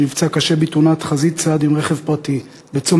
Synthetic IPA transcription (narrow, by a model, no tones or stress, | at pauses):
nivt͡sakaʃebitunatχazit͡sad̪imʁeχevpʁati | bet͡so